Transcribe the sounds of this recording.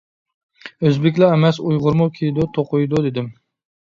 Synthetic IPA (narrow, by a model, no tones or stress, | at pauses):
øzbɪkʲlɑɛmɛsujʁʊɾmʊkʲʰejd̪ut̪ʰoqʊjd̪ud̪ɪd̪ɪm